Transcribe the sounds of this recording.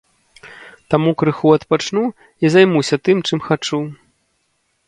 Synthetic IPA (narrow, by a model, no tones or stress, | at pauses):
t̪amukɾɨxuɐt̪pat͡ʂnu | izajmusʲɐt̪ɨmt͡ʂɨmxat͡ʂu